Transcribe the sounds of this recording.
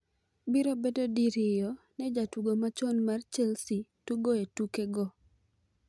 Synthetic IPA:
biɾobedodiɾɪjɔ | nɛd͡ʒatuɡomat͡ʃɔnmart͡ʃɛlsituɡoetukeɡɔ

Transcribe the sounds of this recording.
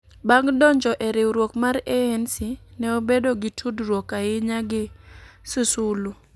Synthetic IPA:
baŋɡdɔɲd͡ʒɔʔɛɾɪwɾwokmaɾɛɛnsinɛobedoɡɪtʰudrwokaɪɲaɡɪsusulu

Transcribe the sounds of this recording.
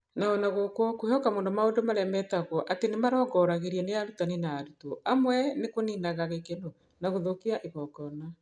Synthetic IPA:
naɔnaɣokokohɔkamoːndomaondomaɾɛmɛtaɣɔʔatenemaɾɔːɡɔɾaɣeɾiɛneaɾutaninaːɾutoʔamwɛnekoninaɣaɣekeno | naɣoðokiaʔeɣɔkɔna

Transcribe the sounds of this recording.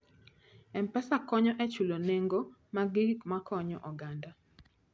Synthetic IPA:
ɛmpɛsakɔɲɔʔɛt͡ʃuloneŋɡomaɡikmakɔɲɔʔɔɡanda

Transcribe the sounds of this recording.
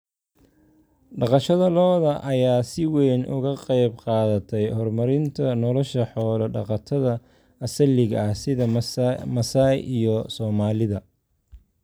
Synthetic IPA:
ɖɑqɑʃɐðɐlɔːðɐʔɐjaːsɪwɛːnʔʊ̰ɣɐqɑjbqɑːðɐt̪ʰɛjhɔrmɐɾɪnt̪ʰɐnɔlɔʃɐħɔːlɐɖɑ̰qɑt̪ʰɐðɐ | ʔɐsɐlɪɣɐɐhsɪðɐmɐsajʔijɔsɔːmaːlɪðɐ

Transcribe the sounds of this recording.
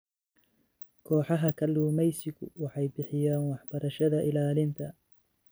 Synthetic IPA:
kʰɔːħɑɦɐkʰɐluːmɛjsɪɡʊ̰wɑħɑjbɪħɪjaːnwɑħb̥ɐɾɐʃɐðɐʔɪlaːlɪnt̪ʰɐ

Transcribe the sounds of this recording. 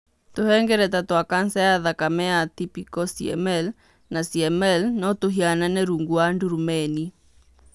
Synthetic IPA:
t̪ohɛŋɡɛɾɛtatowakansɛaðakamɛat̪ipikɔsiɛ̰mɛl | nasiɛmɛlnɔtoɦiananɛɾuŋɡuanduɾumɛni

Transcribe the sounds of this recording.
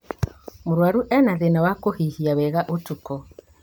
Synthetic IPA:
moɾwaɾuʔɛnaðenawakohihiawɛɣaʔotukɔ

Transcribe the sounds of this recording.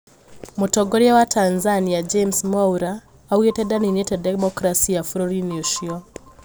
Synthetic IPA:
mutɔɡoɾiawatʰanzaniad͡ʒemsmauɾaː | wetɛdaninetɛdemɔkɾasiafɾɔɾinoʃiɔ

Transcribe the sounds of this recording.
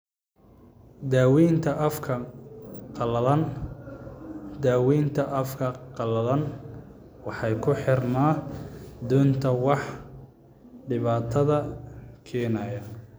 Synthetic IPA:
d̪aːwiːnt̪ʰɐɐfkʰɐ | n | d̪aːwiːnt̪ʰɐʔɐfkʰɐqɑlɐlɐn | wɑħɑjkʰʊħɪrnaː | d̪uːnt̪ʰɐwɑħ | ɖɪβaːt̪ʰɐðɐkʰɛːnɐjɐ

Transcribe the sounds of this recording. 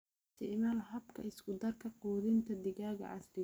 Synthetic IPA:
sɪmɐlɦɐbkʰɐ̰ɪskʊd̪ɐrkʰɐquːðɪnt̪ʰɐd̪ɪɣaːɣɐ̰ʕɐ̰slɪ

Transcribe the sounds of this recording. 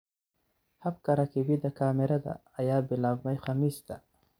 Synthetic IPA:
hab̚kaɾakibid̪akaːmiɾad̪a̰ːjaːbɪlabmajxamisd̪a

